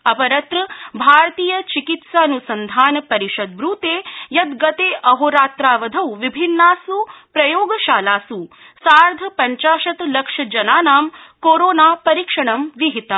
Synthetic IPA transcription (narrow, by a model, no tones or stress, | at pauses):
ɐpɐɾɐt̪ɾɐbʱaːɾɐt̪iːjɐt͡ʃikit̪saɐnusɐnd̪ʱaːnɐpɐɾiʃɐd̪̚ʋɾuːt̪eːjɐd̪ɡɐt̪eːʔɐɦoːɾaːt̪ɾaːʋɐd̪ʱɐwʋibʱinːaːsupɾɐjoːɡɐʃaːlaːsu | saːɾd̪ʱɐpɐɲt͡ʃaːʃɐt̪lɐkʂɐd͡ʒɐnaːnaːmkoːɾoːnaːpɐɾiːkʂɐɳɐmʋiɦit̪ɐ